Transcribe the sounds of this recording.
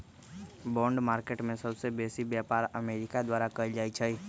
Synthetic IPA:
bɔ̃ɳɖmaɾkeʈmẽsəbsebesibjapaɾəmeɾikad̪ʋaɾakəid͡ʒajt͡ʃʰɛ

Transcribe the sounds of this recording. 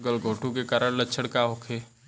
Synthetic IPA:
ɡəlɡʱoːʈũkekaːɾəɽ̃lətːʃʰəɽkaɦokʰeː

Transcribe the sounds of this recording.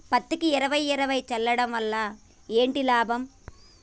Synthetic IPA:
pɐt̪ːikiiɾɐʋɐjɛɾɐʋɐjt͡ʃɛlːɐɽɐmʋɐlːɐ | e̞ːɳʈilaːbʱɐm

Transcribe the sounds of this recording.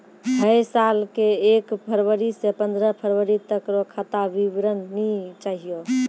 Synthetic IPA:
ɦəjsalkeekpʰəɾʋəɾisepə̃nd̪ɾəpʰəɾʋəɾit̪əkɾɔkʰat̪aʋiʋɾənːit͡ʃaɦijo

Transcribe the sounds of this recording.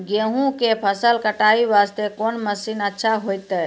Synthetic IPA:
ɡeɦũkepʰəsəlkəʈaiʋaːst̪ekoːnməsiːnətːʃʰaɦojt̪ɛ

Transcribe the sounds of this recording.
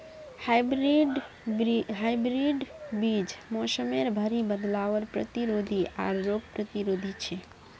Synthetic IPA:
hbɾiɖ | ɦajbɾiɖbid͡ʒmɔsəmeɾbʱəɾibəd̪laʋəɾpɾə̰t̪iɾod̪ʱia̰ɾːoɡ̚pɾət̪iɾod̪ʱit͡ʃʰɛ

